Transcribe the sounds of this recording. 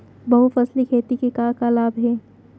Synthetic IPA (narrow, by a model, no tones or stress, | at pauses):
bɐɦufɐslikʰeːt̪ikekaːkalaːbɦɛː